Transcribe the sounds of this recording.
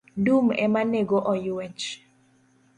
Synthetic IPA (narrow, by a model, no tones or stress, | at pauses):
dumɛ̰maneɡoʔɔjwɛt͡ʃ